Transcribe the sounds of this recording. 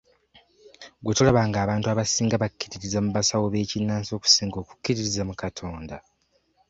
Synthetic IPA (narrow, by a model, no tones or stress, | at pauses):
ɡwetulaβaŋɡaːβaːntuaβasiːŋɡaβakːiɾiɾizamuβasawoβe̞ːcinːaːnso̞ːku̥siːŋɡo̞ːku̥kːiɾiɾizamukatʰo̞ːnda